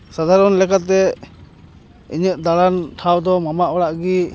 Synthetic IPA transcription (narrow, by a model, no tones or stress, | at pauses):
sad̪ʱaɾɔnlɛkat̪ɛ | ḭɲəʔ̚d̪aɽanʈʰawd̪ɔmamaʔɔɽaʔɡi